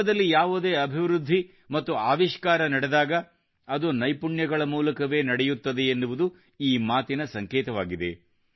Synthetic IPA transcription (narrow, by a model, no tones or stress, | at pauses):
ɐd̪ɐlːijaːʋud̪e̞ːɐbʱiʋɾud̪ʱːi | mɐt̪ːuaːʋiʃkaːɾɐnɐɽed̪aːɡɐ | ɐd̪unɐjpuɳjɐɡɐɭɐmuːlɐkɐʋe̞ːnɐɽɛjut̪ːɐd̪eːnːuʋud̪u | iːmaːt̪inɐsɐŋkeːt̪ɐʋaːɡid̪e̞̰